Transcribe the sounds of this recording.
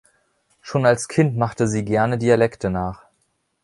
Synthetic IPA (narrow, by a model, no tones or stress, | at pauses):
ʃoːnalskʰɪntmaχtəziːɡɛɐnədiːalɛktʰənaːχ